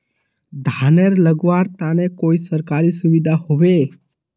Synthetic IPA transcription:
d̪ʱaneɾləɡʋaɾt̪anekoisəɾkaɾisʊʋid̪ʱaɦoʋe

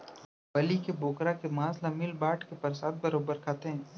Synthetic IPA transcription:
bɐlikeboːkɾakemãːslamɪlbaːʈkepɐɾsaːt̪̚bɐɾoːbəɾkʰaːt̪eɦɛ̃ː

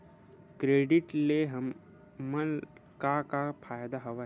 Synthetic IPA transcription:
kɾeːɖɪʈleɦəmː | ənkakapʰaːjd̪aɦɔʋa

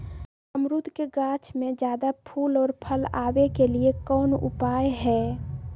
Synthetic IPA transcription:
əmɾud̪keɡãːt͡ʃmẽd͡ʒjaːd̪apʰuːlɔːɾpʰəla̰ːʋekeliekɔːnʊ̰paːjɦɛː

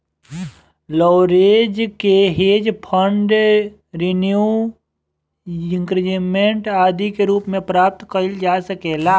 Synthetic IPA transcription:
lɔːɾeːd͡ʒkeɦeːd͡ʒpʰəɳɖ | ɾinju | ɪ̃ŋkɾɪd͡ʒimẽɳʈaːd̪ikeɾuːpmẽpɾaːp̚t̪kəld͡ʒaːsəkeːlaː

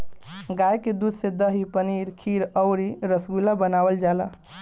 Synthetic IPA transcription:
ɡajked̪ud̪ʱsed̪əɦipəniɾkʰiɾəwɾiɾəsɡulabənaʋəld͡ʒala̰

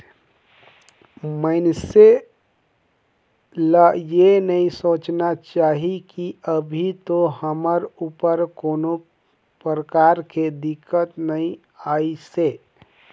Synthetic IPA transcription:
mənse | ləjenəĩsoːt͡ʃnat͡ʃaːɦikiəbʱit̪oɦəməɾupəɾkoːno | pɾəkaːɾked̪ɪkːət̪nəĩ | aːise

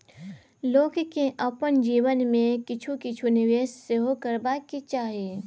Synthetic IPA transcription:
loːɡkeʔɐpənd͡ʒiːʋənmẽkɪt͡ʃʰukɪt͡ʃʰunɪʋeːsseɦokəɾbaːkit͡ʃaːɦieː

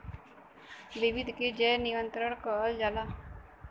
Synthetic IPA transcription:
ʋiʋɪd̪ʱked͡ʒɛːniʋə̃nt̪ɾəɽ̃kəːld͡ʒaːlaː

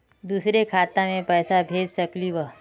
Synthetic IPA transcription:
d̪uːsɾekʰaːt̪ãmẽpɛːsabʱeːd͡ʒsɐkliʋə

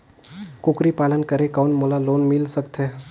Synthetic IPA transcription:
kʊkɾipaːlənkəɾekanmolaloːnmɪlsəkt̪ɦɛː

